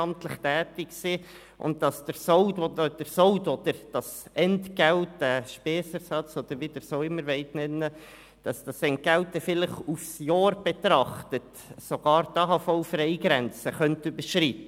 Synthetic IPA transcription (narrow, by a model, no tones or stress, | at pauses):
ɑmtləχtæːtɪksi | ʔʊ̰ntdɑsd̥əɾsoʊdod̥əɾsoʊdod̥̪əɾd̥ɑsʔɛntɡ̥ɛltd̥æʃpɛːsəɾsɑt͡sod̥̪əɾʋid̥əɾsoːɪmːəɾʋɛɪtnɛnːə | d̥ɑsd̥ɑsɛnt̚ɡæltːɛfɪləχufsjɑːrb̥etɾɑχtət | soɡ̥ɑːɾtɑːɦɑfɔʊfrɛɪɡɾɛnt͡səχœntybəɾʃritə